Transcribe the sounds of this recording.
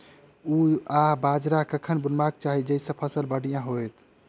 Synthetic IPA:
uabad͡ʒɾakəkʰənbunmaɡ̚t͡ʃaɦid͡ʒəɪsə̃pʰəsəlbəɽijãɦojt̪

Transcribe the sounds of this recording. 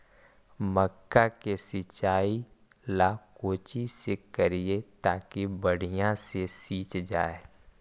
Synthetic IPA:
məkːakesɪt͡ʃaːi | lakoːt͡ʃisekəɾiet̪aːkibəɽ̤ijãsesiːt͡ʃd͡ʒaːe

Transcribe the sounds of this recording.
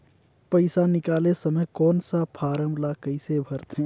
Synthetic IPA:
pəɪsanɪkaːlesəməjkɔːnsapʰaːɾəmlakəɪsebʱəɾt̪ɦɛ̃ː

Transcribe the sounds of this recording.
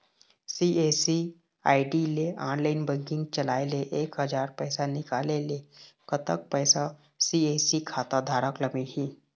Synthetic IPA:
siːʔeːsi | aːɪɖileãːnlaːɪnbɛ̃ŋkɪ̃ŋɡt͡ʃɐlaːeleʔeːkɦɐd͡ʒaːɾpɛːsanɪkaːlelekət̪ə̰k̚pɛːsa | siːeːsikʰaːt̪ad̪ʱaːɾəkləmiɦiː

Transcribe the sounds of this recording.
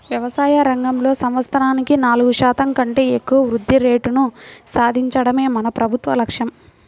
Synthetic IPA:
ʋjɐʋɐsaːjɐɾɐŋɡɐmlo̞ːsɐmʋɐst̪ɐɾaːnikinaːluɡuʃaːt̪ɐŋkɐɳʈe̞ːekːuʋɐʋɾud̪ʱːiɾe̞ːʈunusaːd̪ʱiɲt͡ʃɐɽɐme̞ːmɐnɐpɾɐbʱut̪ʋɐlɐkʂɐm

